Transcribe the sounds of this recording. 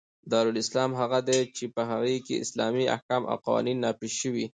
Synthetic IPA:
d̪ɑɾulɪslɑmɦaɣad̪et͡ʃepəɦaɣekḛʔɪ̰slɑ̰mia̰hkɑmʔa̰wqawɑ̰ninːɑpeʃʃəwi

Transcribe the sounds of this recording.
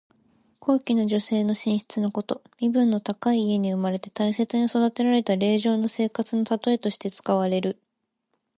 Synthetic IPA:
kʰo̞ːkʲinaʑo̞se̞ːno̞ɕĩɰ̃ɕi̥t͡sɨno̞ko̞t̪o̞mʲibɯ̟̃nːo̞t̪akaiːe̞ɲ̟iɯ̟maɾe̞t̪e̞̥t̪aise̞t͡sɨɲ̟iso̞d̪at̪e̞ɾaɾe̞t̪aɾe̞ːʑo̞ːno̞se̞ːkat͡sɨno̞t̪at̪o̞e̞t̪o̞ɕi̥t̪e̞t͡sɨ̥kaβ̞aɾe̞ɾɯ̟

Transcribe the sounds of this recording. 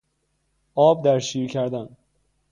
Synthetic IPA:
ʔɒːb̚d̪æɾʃiːɾcʰæɾd̪æn

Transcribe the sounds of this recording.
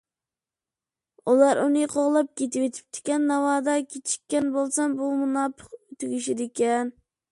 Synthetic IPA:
ulˠɑɾunɨqʰoʁlˠɑp̚kʲet̪ɪwet̪ʰɪ̥p̚t̪ʰɪ̥kʲɛnːɑwɑːd̪ɑkʲʰet͡ʃʰi̥kʲːɛnbolˠsɑnbumunɑːpʰə̥qøt̪ʰyɡʲiʃid̪ɪkʲɛn

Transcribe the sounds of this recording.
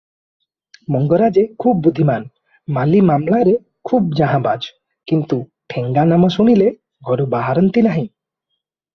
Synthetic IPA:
mɔŋɡɔɾad͡ʒekʰubbud̪ʱːiman | malimamlaɾe | kʰubd͡ʒaɦãbad͡ʒ | kint̪uʈʰeŋɡanamɔsuɽ̃ile | ɡʱɔɾubaɦaɾɔnt̪inaɦĩ

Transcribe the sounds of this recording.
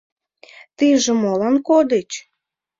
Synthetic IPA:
t̪iʒĕmolɑnkod̪et͡ɕ

